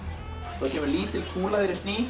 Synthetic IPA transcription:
θaðcʰɛːmʏɾliːt̪ɪlkʰuːlaðeɾɪst̪niː

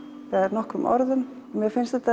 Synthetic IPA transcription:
vɛðɾnɔhkɾʏmʔɔ̰ɾðʏm | ɔmjɛfɪnst̪ɛt̪a

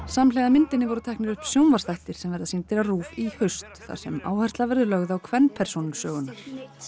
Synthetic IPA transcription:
samlɛɣðamɪnt̪ɪnːɪvɔɾʏt̪ʰɛjknɪɾʏhpsjownvḁst̪ajht̪ɪɾ̥sɛmvɛɾðasɪnt̪ɪɾaruːvihʏst̪θa̰ɾ̥sɛma̰ːwhɛr̥t̪lavɛɾðʏlœɣðawkʰvɛnːpʰɛɾ̥sownnsœːɣʏnːaɾ̥

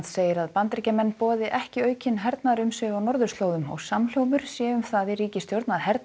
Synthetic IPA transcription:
t̪seːjɪɾaðpant̪ɾicamɛnːpɔːðɪʔɛhcɪœːɥcʰɪnɦɛɾt̪naɾʏmsɛawnɔɾðʏ̥ɾst̪loːwðʏmɔ̰ɣsaml̥jowmʏɾ̥sjɛʏmθaðɪriːcɪst̪jowɾt̪naðhɛɾt̪

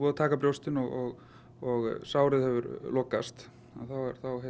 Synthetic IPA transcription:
ɔðat̪ʰaːkapɾjowst̪ɪnɔɣɔɣ | ɔɣsaːwɾɪðhɛvʏɾloːkast̪ | anθawɛ̰ɾ̥θawɦ

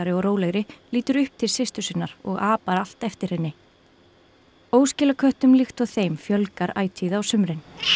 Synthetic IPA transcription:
aɾɪɔɣɾoːwlɛɣɾɪliːt̪ʏɾʏhp̚t̪ʰɪlsɪst̪ʏsɪnːaɾɔ̰ɣaːpaɾal̥t̪ɛft̪ɪɾ̥hɪnːɪ | oːwscɪːlakʰœht̪ʏmlɪxt̪ɔɣθejmfjœlkaɾa̰ːjt̪ʰiːðawsʏmɾɪn

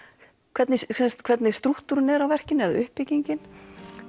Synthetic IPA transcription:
kʰvɛt̪nɪsɛst̪kʰv̥ɛt̪nɪst̪ɾuht̪uɾɪnɛɾawvɛr̥cɪnɛðaʏhpːɪciɲcɪn

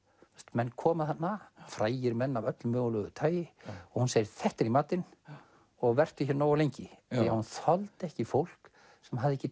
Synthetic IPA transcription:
st̪mɛnːkʰɔːmaθanːafɾaːjɪɾmɛnːavœt̪lmœːɣʏlœɣʏt̪ʰaːjɪɔɣhunseːjɪɾθɛht̪ɛɾimaːt̪ɪn | ɔɣvɛr̥t̪ʏçɛɾnoːwawlejɲcɪjahunθɔlt̪ɛhcɪfowl̥k | sɛmɦavðɪecːɪ

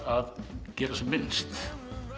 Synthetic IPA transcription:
aðcɛːɾasɛmːɪnst̪

